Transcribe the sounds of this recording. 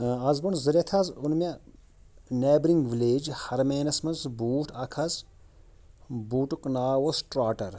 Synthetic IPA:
ɐzbunzɐɾet̪ʰɐzʊnme | neːbɾiŋɡʋileːd͡ʒhɐɾmeːnɐsmɐzbuːʈʰɐkʰɐz | buːʈuknaːwosʈɾaːʈɐɾ

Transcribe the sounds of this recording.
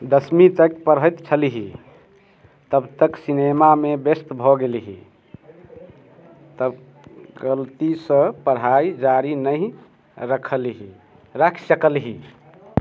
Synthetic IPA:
d̪əsmit̪əkpəɾɦəjt̪t͡ʃʰəlɦi | t̪əbt̪əksinemamebest̪bʱɔɡelɦḭ | t̪əb | ɡəlt̪isə̃pəɾɦaid͡ʒaɾinəɦi | ɾəkʰəlɦi | ɾakʰsəkəlɦi

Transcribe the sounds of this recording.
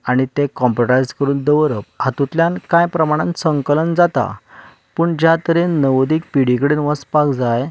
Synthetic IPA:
aɽ̃it̪ekɔ̃mpɾoʈajd͡zkəɾuːnd̪əʋɾəphat̪ũt̪ljãnkãjpɾəmaɽ̃ãnsəŋkələnd͡zat̪a̰ | pəːɳd͡ʑjat̪əɾennəʋd̪iːk̚piɽikəɽenʋəspakd͡zaj

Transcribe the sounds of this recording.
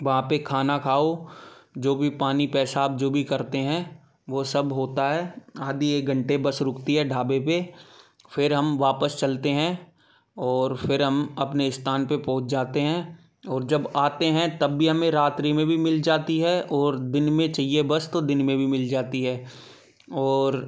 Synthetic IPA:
ʋɐɦãpekʰaːnakʰaːod͡ʒoːbʱipaːnipɛːsaːp̚d͡ʒoːbʱikɐɾt̪eɦɛ̃ | ʋosɐbɦoːt̪aɦɛːaːd̪ieːk̚ɡɐ̃ɳʈebɐsɾʊkt̪iɦɛɖʱaːbepe | fɪɾɦɐmʋaːpəst͡ʃɐlt̪eɦɛ̃ | ɔːɾfɪɾɦɐmɐpneɪst̪ʰaːnpepɔ̃ːt͡ʃd͡ʒaːt̪eɦɛ̃ | ɔːɾd͡ʒɐbaːt̪eɦɛ̃t̪ɐbːiɦɐmẽɾaːt̪ɾimẽbʱimɪld͡ʒaːt̪iɦɛʔɔːɾd̪ɪnmẽt͡ʃɐɦijebɐst̪od̪ɪnmẽbʱimɪld͡ʒaːt̪iɦɛː | ɔːɾ

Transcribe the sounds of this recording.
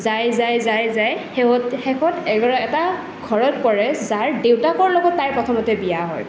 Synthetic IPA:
zajzajzajzajhɛɔthɛxɔtɛɡɔɹaɛta | ɡʱɔɹɔt̚pɔɹɛzaɹdewtakɔɹlɔɡɔtːajpɹɔtʰɔmɔtɛbijaɦɔ̰j

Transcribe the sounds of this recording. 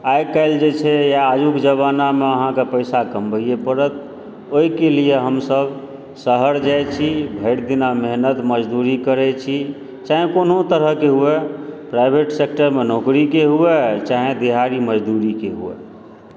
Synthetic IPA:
ajkaɪld͡ʒet͡ʃʰɛjaːjukd͡ʒəβanameəɦãkepəɪsaɡəmbʱəijepəɾət̪̚ | oikelieɦəmsəb | səɦəɾd͡ʒajt͡ʃʰibʱəɪɽd̪inameɦnət̪məd͡ʒd̪uɾikəɾɛt͡ʃʰi | t͡ʃaɦẽkonɦot̪əɾəɦkeɦuɛpɾajbʱeʈsek̚ʈəɾmenokɾikeɦuɛt͡ʃaɦẽd̪iɦaɾiməd͡ʒd̪uɾikeɦṵɛ̰

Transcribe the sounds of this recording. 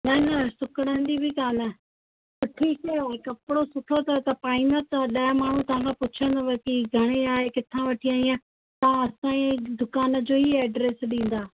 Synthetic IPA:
nɐnɐsʊkəɽ̃ə̃nd̪ibʱɪkaːnə | sʊʈʰikɐjokɐpɪɽosʊʈʰot̪ɐt̪ɐpaːĩːnd̪at̪ɐɗɐjəmaːɳ̤ũt̪ɐʋ̤ãkʰãpʊt͡ɕʰə̃nd̪aʋɐkiɡʱɐɽ̃eaːɦekɪt̪ʰãʋɐʈʰiãːiã | t̪ɐ̃ɐsãːĩd̪ʊkaːnə̆d͡ʑoːɦiɛːɖɾeːsɗĩːn̆d̪aː

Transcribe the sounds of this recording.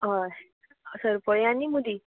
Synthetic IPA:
ɦa | səɾpəjãnimud̪i

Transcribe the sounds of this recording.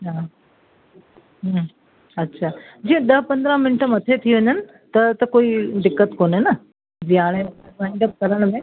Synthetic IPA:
ɦaː | ɦ | ɐtːɕʰaːd͡ʑiẽɗ̪ɐɦpɐ̃nd̪ɾə̃mɪnʈəmɐt̪ʰet̪ʰiʋɐɲənɪ̆ | t̪ɐt̪ɐkoːiɖɪkːət̪koːnenɐ | d͡ʑiaːɽ̃ẽmaːɪ̃ɳɖəp̚kɐɾəɽ̃mẽ

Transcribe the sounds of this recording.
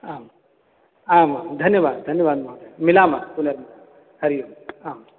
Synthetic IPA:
aːm | aːmamd̪ʱɐnjɐʋaːd̪d̪ʱɐnjɐʋaːd̪̚mɐɦtemilaːmapuneɾma | hɐɾijumaːm

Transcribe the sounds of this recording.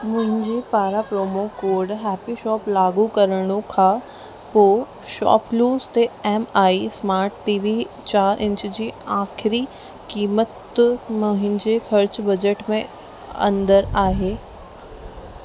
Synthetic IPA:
mʊ̃ɦɪ̃ɲd͡ʑepaːɾapɾoːmokoːɾɖɦɛːpiʃɔːplaːɡukɐɾəɽ̃okʰã | poː | ʃɔ̰ːpluːst̪eɛːmaːismaːɾʈʈiːʋi | t͡ɕaːɾʔɪ̃ɲt͡ɕd͡ʑiːaːxʰɪɾi | kiːmət̪mʊɦɪ̃ɲd͡ʑexʰɐɾt͡ɕbɐd͡ʑeʈmẽ | ɐ̰̃nd̪əɾaːɦeː

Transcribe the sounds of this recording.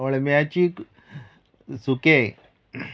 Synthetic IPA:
oɭmjat͡ɕiːk | suke

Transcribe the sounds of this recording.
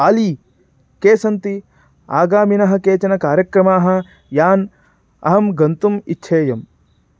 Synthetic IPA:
ali | keːsɐnt̪i | aːɡaːminɐɦɐ̆keːt͡ʃɐnɐkaːɾjɐkɾɐmaːɦɐ̆ | jaːn | ɐ̰ɦɐmɡɐnt̪umitːʃʰeːjɐm

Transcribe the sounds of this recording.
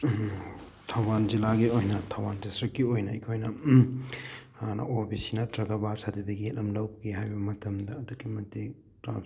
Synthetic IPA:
tʰɐwbanzilaɡiojnɐtʰɐwband͡ʒɐsɾɐkːiojnɐḭkʰojnɐ | n̰opʰisinɐtɾɐɡɐbasadibɐɡietlɐmlɐwbɐkʰeɦajbɐmɐtʰɐmdɐːduɡimɐti | tɾa̰n

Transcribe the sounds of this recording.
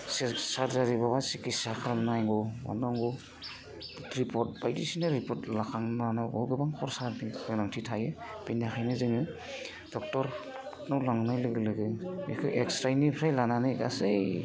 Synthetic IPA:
ssaɾzaɾibabasikisakʰalnajŋɡɔma̰naŋɡɔ | ɾipʰɔɾt̚bajtisinaɾipʰɔtlakʰaŋnanɯbɔɡɯbaŋkʰɔɾsaɾniɯnaŋtʰitʰajɯb̥enaxʰajnɯzɯŋɯ | d̥ɔk̚tɔɾ | nɔwlaŋnajlɯɡɯlɯɡɯekʰɯʔekstɾajnipʰɾajlananɯɡa̰sɯj

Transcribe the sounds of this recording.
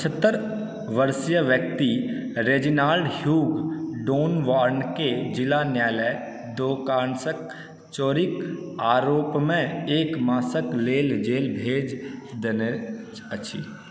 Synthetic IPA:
pt͡ʃʰət̪ːəɾ | ʋəɾsijəʋjək̚t̪iɾeːd͡ʒɪnaːlɖhjuːɡɖoːnʋaːɾnked͡ʒɪlanjaːlɛː | d̪oːkaːnsək̚ | t͡ʃoːɾɪkaːɾoːpmẽeːkmaːsəkleːld͡ʒeːlbʱeːd͡ʒd̪ene | ət͡ʃʰi

